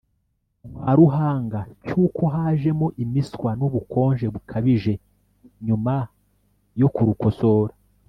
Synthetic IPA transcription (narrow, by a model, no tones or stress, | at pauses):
haɾuɦaːŋɡacuːko̞ɦaːʒe̞mo̞ʔimiskwanuβukʰo̞ːnʒe̞βukʰaβiʒe̞ | ɲuma | jo̞kuɾuko̞so̞ːɾa